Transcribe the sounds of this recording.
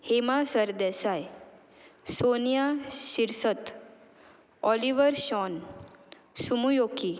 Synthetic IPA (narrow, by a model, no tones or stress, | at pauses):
hemasəɾd̪ɛsaj | sonjaɕiɾsət̪ | ɔliʋəɾɕɔn | sumujoki